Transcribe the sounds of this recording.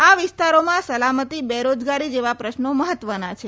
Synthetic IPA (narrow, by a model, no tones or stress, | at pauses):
aʋɪst̪aɾomãsəlamət̪ibeɾod͡ʒɡaɾid͡ʒeʋapɾəʃnoməɦət̪ʋənat͡ʃʰe